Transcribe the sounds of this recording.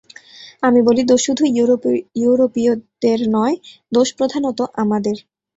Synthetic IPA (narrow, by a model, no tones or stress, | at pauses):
amibolid̪oʃud̪ʱujuɾojuɾopiod̪eɾnɔed̪oʃpɾod̪ʱanot̪oʔamad̪eɾ